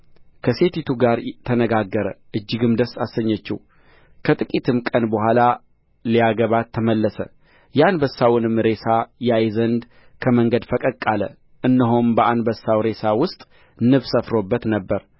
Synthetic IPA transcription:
kʰəse̞t̪ʰit̪ʰuɡaɾt̪ʰənəɡaɡːəɾə̰ʔɨd͡ʒːɪɡɨmd̪əsasːəɲːət͡ʃːɛ̰w | kʰət̪ʼɨkʼit̪ʰɨmkʼənbəhʷala | liaɡəβat̪ʰːəməlːəsə̰ | jɛanbəsːawnɨmɾe̞sajajzənd̪ | kʰəməŋɡəd̪fəkʼəkʼːalə̰ | ʔɨnːəɦombəʔanbəsːawɾe̞sawʊst̪ʼ | nɨβsəfɾo̞bːət̪nəbːəɾ

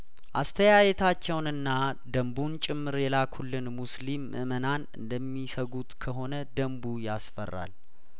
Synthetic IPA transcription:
ʔast̪ʰəjajɛt̪ʰat͡ʃːɛwnɨnːad̪əmbunt͡ʃʼɪmːɨɾjɛlakʰhulːɨnmuslimʔɨ̰mənanɨ̰nd̪əmːisəɡut̪kʰəɦo̞nəd̪əmbujasfə̰rːa̰l

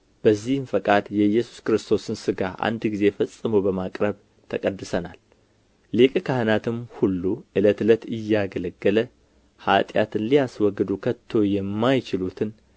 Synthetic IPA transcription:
b̥əzːihɨnfəkʼad̪jɛjːɛsu̥skɨɾɨst̪ʰo̞sɨnsɨɡaʔa̰nd̪ɡize̞fəsʼːɨməwbəmakʼɾəβ | t̪ʰəkʼəd̪ːɨsənal | lekʼkʰahɨnat̪ʰɨmhulːuʔɨlət̪ɨlət̪ɨjːaɡələɡːələ | ha̰t̪ʼja̰t̪ʰɨnlijaswɔɡːd̪ukʰət̪ʰːo̞jɛmːajt͡ʃɪlut̪ʰɨn

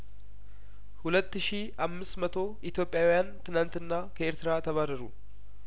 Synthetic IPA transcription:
hʊlɐt̪ːɪʃiː | ɐmːɪsmɐt̪oː | ɪt̪jo̞ːpʼːɪjaːwjaːnt̪ɪnaːnt̪ɪnːaːkɐɛɾt̪ɪɾaːt̪ɐβaɾɐɾʊ

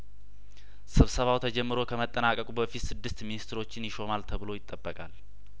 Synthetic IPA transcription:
sɨβsəβawt̪ʰəd͡ʒɛmːɨɾo̞kʰəmət̪ʼːənakʼəkʼubəfit̪sɨd̪ːɨst̪minist̪ʰɾo̞t͡ʃːɪnjɪʃo̞malt̪ʰəβɨlo̞jɪt̪ʼːəbːəkʼal

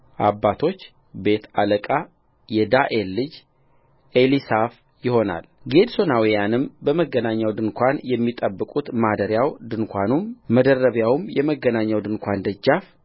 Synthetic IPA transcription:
ʔabːat̪ʰo̞t͡ʃː | be̞t̪ʰaləkʼa | jɛd̪aʔelːɨd͡ʒ | ʔelisaf | jɪho̞na̰lɡe̞d̪so̞nawijanɨmbəməɡənaɲːawd̪ɨnkʷʰanjɛmːit̪ʼəbːɨkʼut̪mad̪əɾjawd̪ɨnkʷʰanumməd̪ərːəβjawmjɛməɡənaɲːawd̪ɨnkʷʰand̪əd͡ʒːaf

